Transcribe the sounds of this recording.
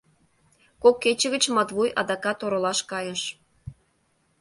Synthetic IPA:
kokːet͡ɕə̆ɣə̆t͡ɕmɑt̪βujʔɑ̰d̪ɑkɑt̪oɾə̆lɑʃkɑjə̆ʃ

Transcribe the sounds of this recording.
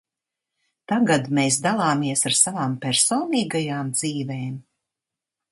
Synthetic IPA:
t̪aɡad̪meːs̬d̪alˠaːmiɛsaɾsavaːmpɛɾsɔːniːɡajaːmd̪ziːveːm

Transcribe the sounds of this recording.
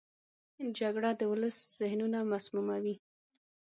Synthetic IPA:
d͡ʒaɡɽad̪əwʊləsz̥ɪhnunamasmumawi

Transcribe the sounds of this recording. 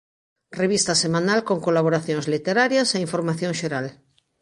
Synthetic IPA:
reβ̞ist̪asemãnalkoŋkolaβ̞oɾaθjõŋzlit̪eɾaɾjaseiɱfoɾmaθjõŋʃeɾal

